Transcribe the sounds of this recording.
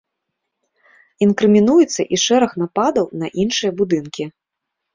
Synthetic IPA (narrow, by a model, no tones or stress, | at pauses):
inkɾɨmʲinujɛt̪sːɐʔiʂɛɾɐxn̪apad̪ɐwnɐʔinʂɨjɐbud̪ɨnkʲi